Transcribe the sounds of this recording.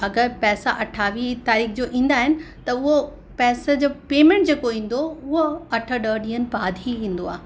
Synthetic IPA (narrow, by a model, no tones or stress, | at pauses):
ɐɡəɾpɛːsaʔɐʈʰaːʋit̪aːɾiːxd͡ʑoːʔĩːn̆d̪aːɦɪnɪ̆ | t̪ɐʊɦo | pɛːsəd͡ʑoːpeːmẽːɳʈ̚d͡ʑeːkoĩːn̆d̪oʊɦoɐʈʰə̆ɗəːɗĩːənpaːd̪ʱiĩːn̆d̪oaː